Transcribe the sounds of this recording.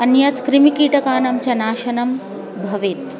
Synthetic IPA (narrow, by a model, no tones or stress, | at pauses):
ɐnjɐt̪kɾimikiːʈɐkaːnɐmt͡ɕɐnaːʃɐnɐm | bʱɐʋeːt̪